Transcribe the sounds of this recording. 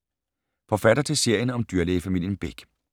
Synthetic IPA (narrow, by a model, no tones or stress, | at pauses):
fɒ̽fæd̥ɐt͡sʰe̝lse̝ɐ̰jənɒ̽md̥yɐ̰leɪfæmil̰jənb̥e̝ɡ̥